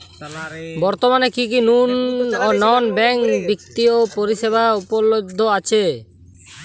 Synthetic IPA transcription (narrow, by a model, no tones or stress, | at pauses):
bɔɾt̪omanekik̬inunnɔnbɛŋkbik̚t̪iopoɾiʃebaupolod̪ʱːoat͡ɕʰe